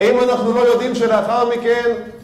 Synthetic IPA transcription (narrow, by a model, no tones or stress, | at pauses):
imanaχnulo̞jo̞d̪imʃeleaχaʁmiken